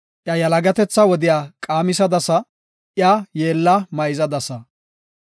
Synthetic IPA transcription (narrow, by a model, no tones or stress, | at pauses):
ʔjɐjɐlɐɡɐt̪ɛt͡sːɐwɔd̪ɪjaːkʼaːmɪsɐd̪ɐsɐ | ʔjajeːlːɐmɐjɪzɐd̪ɐsɐ